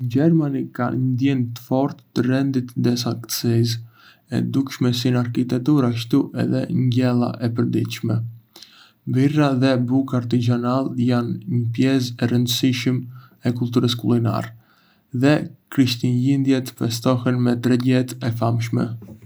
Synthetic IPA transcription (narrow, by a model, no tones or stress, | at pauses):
d͡ʒɛɾmanika̰nd̪jɛnt̪ə̥fɔɾt̪ːərɛnd̪it̪dɛsakt̪sis̬ | ɛ̰d̪ukʃmɛsinaɾkit̪ɛk̚t̪uɾaʃ̬t̪uʔɛ̰ðɛ̰ɲɟɛlˠa̰ʔɛpəɾd̪ḭt̪ʃmɛ | biraðɛbukaɾt̪izanalˠjanɲəpjɛs̬ɛɾənd̪əsiʃəm | ɛkulˠt̪uɾəskulˠina̰ɾ | ðɛkɾiʃt̪inlind̪jɛt̪ə̥pɛst̪ɔhɛnmɛt̪ɾɛɟɛt̪ɛfamʃmɛ̰